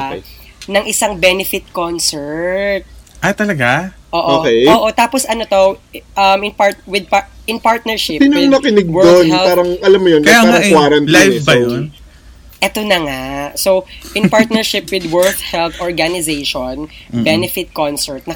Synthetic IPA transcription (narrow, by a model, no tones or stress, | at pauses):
nɐŋʔɪsaŋbɛnɪfɪt̪̚konsɛɹt̪̚ʔɐjt̪ɐlɐɡaʔoːʔoːkɛjoːʔot̪aːposʔɐnot̪oʔɐmɪnpaɹt̪wɪd̪̚paʔɪnpaɹt̪̚nɛɹʃɪɪɲʊnɐkɪnɪɡ̚wɛɹonhɛlpaːɾɐŋʔɐlamːʊjonkɐjaaːɾɐŋwaːɾɐnlajfbɐjon | ʔɛt̪onɐŋasowɪnpaɹt̪̚nɛɹʃɪpwɪd̪wɛɹt̪hɛlθʔɔɹɡanɪzejʃonbɛnɛfɪt̪̚konsɛɹt̪̚nɐ